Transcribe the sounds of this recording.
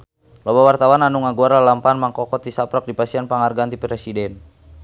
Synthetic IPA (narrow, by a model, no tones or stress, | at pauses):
lɔbawart̪awananuŋaɡuaɾalampanmaŋkɔkɔt̪isapɾak̚dipasianpaŋarɡant̪ipɾɛsidɛn